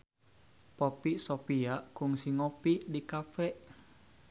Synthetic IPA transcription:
popiʔsopiaʔkuŋsiŋopiʔdikafɛʔ

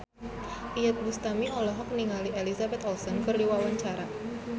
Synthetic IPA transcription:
ʔijat̪̚bust̪amiɔlɔɦɔk̚niŋaliʔelisabɛt̪ɔlsɔnkɨrdiwawaɲt͡ʃaɾa

